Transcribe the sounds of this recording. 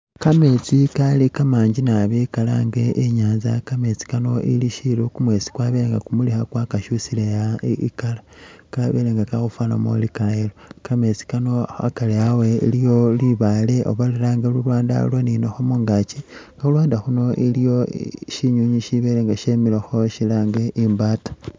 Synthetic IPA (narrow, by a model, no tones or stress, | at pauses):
kamet͡sikalikamaːɲɟinaβekalaŋɡeʔeɲaːnza̰kame̞t͡si̥kano̞ʔḭliʃilokumwe̞t͡si̥kwaβeleŋɡa̰kumulixakwakaʃusilejaikalakaβeleŋɡakaxufwaːno̰mo̰likalaelokamet͡si̥kano̞a̰kaleaweḭlijo̞liβaleʔo̰βalelaːŋɡelulwaːnda̰lwoninoxomuːŋɡat͡ʃiŋɡaxulwaːndaxuno̞ʔilijo̞ʃiɲuɲiʃiβeleːŋɡaʃemiloxo̞ʃilaːŋɡeʔimbaːtḁ